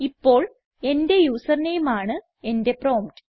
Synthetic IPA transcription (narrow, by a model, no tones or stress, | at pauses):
ipːo̞ːɭ | e̞nde̞juːsɐrnejumaːɳɨ | e̞nde̞pro̞ːmʈɨ